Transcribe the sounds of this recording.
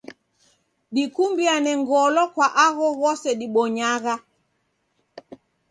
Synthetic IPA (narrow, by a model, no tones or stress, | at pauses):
ɗikumbianɛŋɡɔlɔkwaʔaɣɔɣɔsɛɗiɓɔɲaɣa